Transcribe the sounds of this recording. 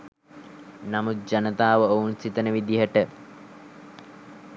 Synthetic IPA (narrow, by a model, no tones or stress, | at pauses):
namut̪̚d͡ʒanət̪aːʋəounsit̪ənəʋid̪iɦəʈə